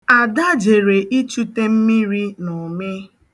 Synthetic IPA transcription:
a˨da˦d͡ʒe˨ɾe˨ʔi˦t͡ʃu˦te˦m̩˦mi˦ɾi˦nʊ˨mɪ˦

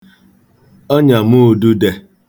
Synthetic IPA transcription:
ɔ˦ɲa˨mu˦˨du˦de˨

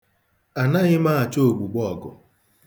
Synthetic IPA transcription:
a˨na˦ɣɪ˦ma˦a˨t͡ʃo˦o˨ɡ͡bu˨ɡ͡bɔɔ˨ɡʊ̰˨

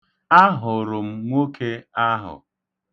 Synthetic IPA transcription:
a˦ɦʊ˨ɾʊ˨m̩˨ŋʷo˦kʰe˦a˦ɦʊ̰˨

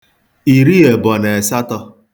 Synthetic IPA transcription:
i˨ɾi˦e˨bɔ˨ne˨e˨sa˦tɔ˦

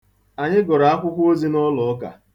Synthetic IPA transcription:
a˨ɲɪ˦ɡɔ˨ɾa˨a˦kʷʊ˦kʷo˦zi˦nɔ˦lɔ˨˦ka̰˨

